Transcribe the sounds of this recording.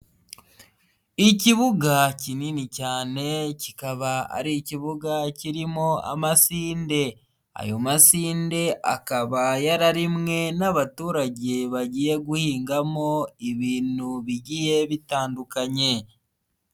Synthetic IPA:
iciβuɡacininicaːne̞cikaβaa̰ɾiciβuɡaciɾimo̞a̰masiːnde̞ | a̰jo̞masiːnde̞ʔa̰kaβajaɾaɾimŋe̞naβatuːɾaɟe̞βaɟiːje̞ɡuhiːŋɡamo̞iβiːnuβiɟije̞βitaːndukaɲe̞

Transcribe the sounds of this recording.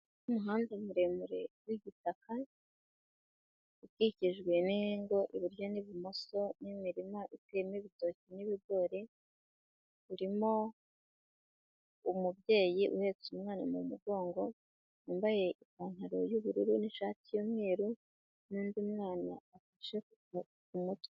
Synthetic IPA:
umuɦaːndemuɾe̞muɾe̞wiɡitaka | utɡiciʒɡwe̞niŋɡo̞ʔiβiɾjo̞niβimo̞so̞nimiɾimaʔitwemiβito̞ːciniβiɡo̞ɾe̞ | uɾimo̞ | umubje̞ːjiʔṵhe̞t͡sumŋaːnamumuɡo̞ːŋɡo̞ | nuːmbaje̞ʔikaːn̥haɾo̞̰juβuɾuɾuniʃaːtijomwe̞ːɾu | niːndiumŋaːna̰ːfaʃeku̥ɡa | umut

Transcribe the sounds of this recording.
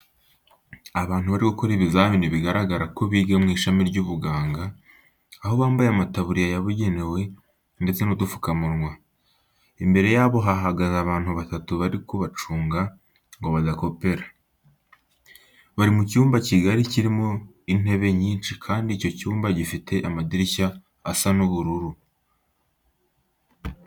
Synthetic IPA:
aβaːnhuβaɾikokoɾiβizaːminiβiɡaɾaɡaɾako̞βiːɡemŋiːʃamiɾɟuːβuɡaːŋɡaː | ɦo̞βaːmbajeamataβuɾijajaβuɟe̞ne̞we̞ | nde̞t͡se̞nodufu̥kamuɾŋwa | imbe̞ɾe̞jaβo̞ɦaɦaɡazaβaːn̥huβatatuβaɾikoβat͡ʃuːŋɡa | ŋɡo̞βadako̞pe̞ɾḁ | βaɾimucuːmbaciɡaɾiciɾimo | in̥e̞βe̞ɲiːnt͡ʃikʰaːndiːco̞cuːmbaɟifitʰe̞ʔamadiɾiçaː | sanuβuɾuɾu

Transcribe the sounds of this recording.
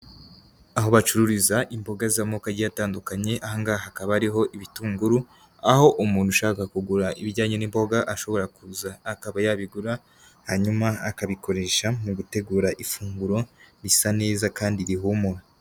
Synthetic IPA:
aɦo̞βat͡ʃuɾuɾizaʔimbo̞ɡazamokaɾɟijataːndukaɲe̞ʔahaŋɡahakaβaɾiɦo̞ʔiβituːŋɡuɾu | aho̞ʔumuːnhuʃaːkakuɡuɾaʔiβiɟaːɲenimbo̞ɡaʔaʃo̞βo̞ɾakuzaːkaβajaβiɡuɾa | haɲumaakaβikʰo̞ɾe̞ʃamuɡute̞ɡuːɾaʔifuːŋɡuɾo̞nisane̞ːzakaːndiɾiɦumuɾo

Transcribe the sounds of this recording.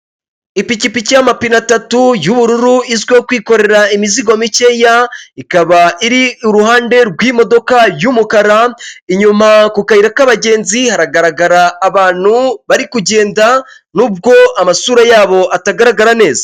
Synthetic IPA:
ipicipicijamapinatatujuβuɾuɾuizɡwekwiːko̞ɾe̞ɾaimiziɡo̞micejaikaβaʔiɾiuɾuhaːnde̞ɾɡwiːmo̞do̞kajumukaɾaiɲumakukaiɾakaβaɟe̞ːnzihaɾaɡaɾaɡaɾaːβaːn̥huβaɾikuɟe̞ːnda | nuːb̚ɡo̞amasuːɾajaːβo̞ʔataɡaɾaɡaɾane̞ːzḁ

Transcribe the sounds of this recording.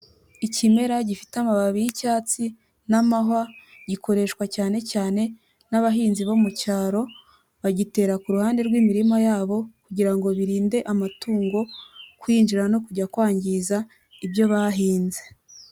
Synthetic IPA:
icime̞ɾaɟifi̥tamaβaβijicaːt͡si | namaɦwa | ɟikʰo̞ɾe̞ʃkwacaːne̞caːne̞ | naβaɦiːnziβomucaːɾo̞ | βaɟite̞ːɾakuɾuhaːnde̞ɾɡwimiɾimajaːβo̞kuɟiɾaŋɡo̞βiɾiːnde̞ʔamatuːŋɡo̞kwiːnd͡ʒiɾano̞kuɟakwaːɲɟiza | ibjo̞βaɦiːnze̥

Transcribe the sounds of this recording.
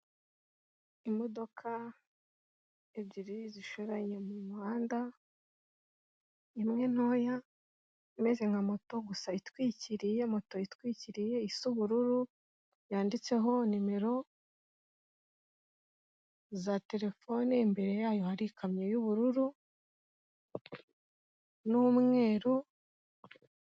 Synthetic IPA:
imo̞do̞kʰa | eβɟiɾiziʃoɾaɲe̞mumaːnda | imŋe̞n̥o̞ja | ime̞ze̞ŋɡamo̞to̞ɡusaitwiːciɾije̞mo̞to̞itkwiːciɾije̞isuβuɾuɾu | jaːndit͡se̞ɦo̞nime̞ɾo̞ | zate̞ɾe̞fo̞nimbe̞ɾe̞jaːjo̞haɾikʰamɲejuβuɾuɾu | numŋe̞ːɾu

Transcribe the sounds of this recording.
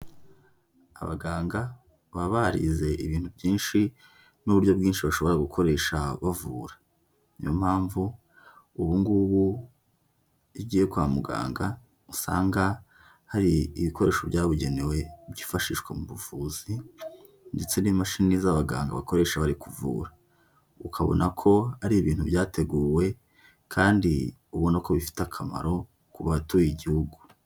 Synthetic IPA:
a̰βa̰ɡaːŋɡa | βaβahaɾḭze̞iβiːn̥hubɟiːnʃi | nuβuɾɟjo̞bɡiːnʃiβaʃo̞βo̞ɾaɡukʰo̞ɾe̞ːʃaβavuːɾḁ | ijo̞m̥haːɱvu | uβuŋɡuβu | iɟiːje̞kwamuɡa̰ːŋɡa | usa̰ːŋɡa | haɾiiβiko̞ɾe̞ːʃo̞βɟaːβuɟe̞ne̞we̞bɟiːfaʃiːʃkwemuβuvuːzi | nde̞t͡se̞nimaʃininiːzaβaɡa̰ːŋɡa̰βako̞ɾe̞ʃaβaɾikuvṵːɾa | ukʰaβo̰nʔakʰo̞aɾiβiːn̥huβjaːte̞ɡuːwe̞ | kʰaːndi | uβonako̞βifi̥takʰama̰ɾo̞ | kuβatuːjiɟihuɡu

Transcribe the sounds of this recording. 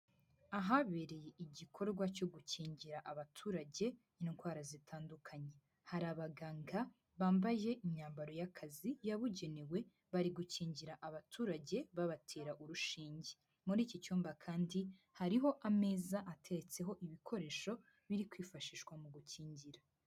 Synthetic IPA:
aɦaβe̞ɾe̞je̞ʔiɟikʰo̞ɾɡwaco̞ɡuciːɲɟiɾaʔaβatʰuːɾaɟe̞ | niŋɡwaːɾazitʰaːndukʰaɲe̞ | haɾaβaɡaːŋɡa | βaːmbaje̞ʔiɲaːmbaɾo̞jakʰazijaβuɟe̞newe̞ | βaɾiɡuciːɲɟiɾaʔaβatʰuːɾaɟe̞βaβatʰe̞ːɾaʔuɾuʃiːɲɟe | muɾiːcicuːmbakʰaːndi | haɾiɦo̞ʔame̞ːzaʔatʰe̞ɾet͡se̞ɦo̞ʔiβikʰo̞ɾe̞ːʃo̞ | βiɾikwiːfaʃiːʃwamuɡuciːɲɟiɾa

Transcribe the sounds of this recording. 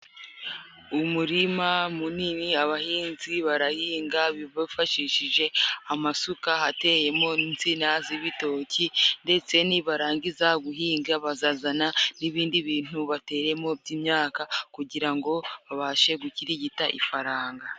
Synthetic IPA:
umuɾimamuniniaβahiːnziβaɾahiːŋɡaβiβafaʃiʃiʒe̞amasukahate̞je̞mo̞nint͡sinaziβito̞cinde̞t͡se̞niβaɾaːɲɟizaɡuɦiːŋɡaβazaːzananiβiːndiβiːn̥uβate̞ːɾe̞mo̞b̚jiːmɲaːkakuɟiɾaŋɡo̞βaβaːʃe̞ɡuciɾiɟitaʔḭfaɾaːŋɡa

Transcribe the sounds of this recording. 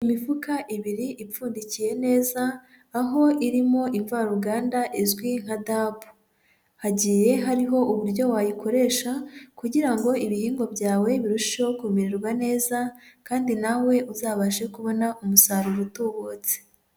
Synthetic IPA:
imivukaʔiβiɾiʔip͡fuːndicije̞ne̞ːzaː | ɦo̞ʔiɾimo̞ʔiɱvaɾuɡaːndaʔizɡwiŋ̥hadaːbu̥ | haɟiːje̞ɦaɾiɦo̞ʔuβuɾɟo̞wajikʰo̞ɾe̞ːʃakuɟiɾaŋɡo̞iβihiːŋɡo̞bɟaːwe̞βiɾuʃi̥ʃokumiɾeɾɡwane̞ːzakaːndinawe̞ʔuzaːβaʒe̞kuβo̞naʔumusaɾuɾutuːβot͡se̥

